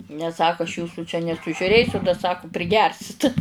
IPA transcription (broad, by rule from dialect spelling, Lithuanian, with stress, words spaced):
nʲɛs ˈsɑːkʊ ɐʃ ˈjuːsʊ t͡ʃʲɛ nʲɛsʊʒʲʊˈrʲeːsʲʊ dɐ ˈsɑːkʊ pʲrʲɪˈɡʲɛrʲsʲɪt